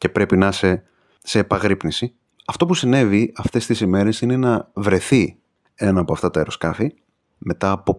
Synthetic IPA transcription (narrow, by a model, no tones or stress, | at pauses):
ce̞pɾe̞pinɐse̞ | se̞ːpɐɣɾipnisi | ɐft̪o̞pusine̞viɐft̪e̞st̪isime̞ɾe̞sine̞nɐvɾe̞θi | e̞nɐːpo̞ɐft̪ɐt̪ɐeɾo̞skɐfi | me̞t̪ɐːpo̞